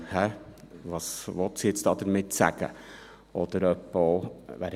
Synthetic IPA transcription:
hɛ | ʋɑsʋɔt̪sitsd̥̪ɑːd̪əɾmɪt̪sæ̰ɡə̰ | ɔd̪əɾœpːoʋæ̰ɾ

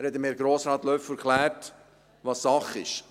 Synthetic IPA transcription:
ɾhɛtəmeːɾɡɾoːsɾɑːt̪lœfɛɾklæːɾt | vɑːsːɑχɪʃ

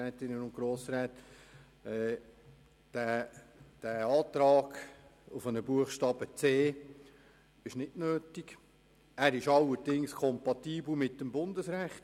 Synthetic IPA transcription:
ɛːt̪ɪnənʊntɡ̥ɾoːsɾɛːt | ɛ | d̥æ | d̥æːɑːt̪ɾɑːɡʊfənəbuəχʃtɑːb̥ət͡seː | ɪʃnɪtnøːtik | æːɾɪʃɑlːəɾdɪŋskʰɔmpɑt̪iːbl̩mɪt̚dəmbʊndəsɾæχt

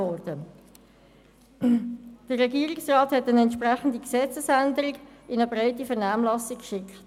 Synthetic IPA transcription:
ɔɾd̥ə | d̥ərʁːɛɡiːɾɪksrɑːthɛtənɛntʃprɛχən̩diksɛt͡səsændəɾɪɡɪnəbɾaɪtifɛʁnaːmlɑsikkʃɪkχt

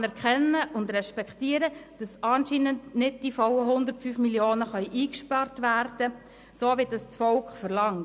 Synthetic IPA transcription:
nɛɾkχɛnːəʔʊndɾɛʃpɛktiːəɾəd̥ɑsɑːnʃiːnəndnɪd̚d̥ifɔwəɦʊnd̪əɾrtfyfmiljoːnəχœʏʔiːkʃpɑrtʋærd̥ə | soːʋidɑst͡sfɔlkχfəɾlɑŋ

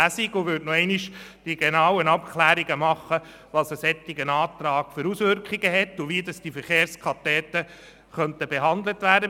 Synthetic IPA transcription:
æsiɡʊʋʏtnɔɛɪniʃd̥iɡenɑwənɑpkʰlæːɾiɡəmɑχːə | ʋɑːsəsɛt̪ːɪɡənɑːt̪ɾɑːɡ̥fʏɾusʋʏɾkχiɡəɦɛtːʊʋiədɑsd̥ifəɾχeːɾskʰɑtɛːt̪ːə | χœntəbeɦɑnd̪lət̪ʋæːdə

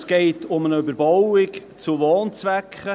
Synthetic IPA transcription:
sɡ̥eɪtʊmənəøbəɾbɔwɪkt͡suʋoːnt͡svɛkχə

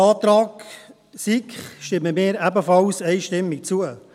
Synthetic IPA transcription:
ɑːt̪ɾaːk | sikχʃtɪməmɪːɾæbəfɑlsɛɪʃtɪmːɪk̚t͡suə

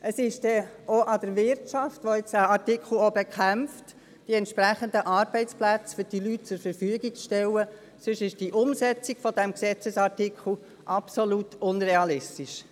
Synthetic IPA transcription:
ʔəsɪʃd̥ɛoʔɑdəɾvɪɾtʃɑftʋoɛt͡səɑɾtɪkʰl̩obɛkʰæmft | d̥iɛntʃpɾæχənd̪əʔɑːɾbɛɪt͡splæt͡sfʏɾd̥ilyt̚t͡sʊɾfəɾfyəɡikʃtɛlə | sʏʃɪʃd̥iʔʊmsɛt͡siɡfɔd̥ɛmksɛt͡səsɑɾtikʰl̩ | ʔɑpsolutʰʊnreɑlɪstiʃ

